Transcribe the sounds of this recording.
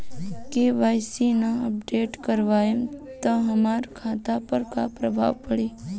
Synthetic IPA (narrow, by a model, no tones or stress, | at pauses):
keʋajsinaəp̚ɖeʈkəɾʋaemt̪oɦəmaɾkʰat̪apəɾkapɾəbʱa̰ʋpəɽi